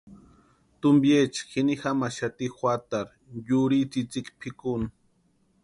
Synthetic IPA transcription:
t̪ʊmbjet͡ʃxinixamaʃat̪ixwat̪aɾ | juɾit͡sit͡sikpʰikʊn

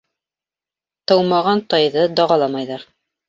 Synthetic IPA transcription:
t̪ɤwmɑʁɑnt̪ɑjðɤd̪ɑʁɑlˠɑmɑjðɑɾ

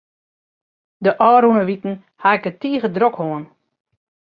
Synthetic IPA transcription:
dəʔɔːɾunəʋitn̩ | haɪkətiːəɣədrokhoən

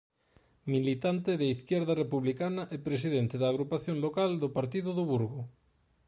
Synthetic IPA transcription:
milit̪ant̪eðeiθkjeɾðarepuβlikanaʔepɾes̬iðent̪eðaːɣ̞ɾupaθjonlokald̪opaɾt̪iðoðoβuɾɣo

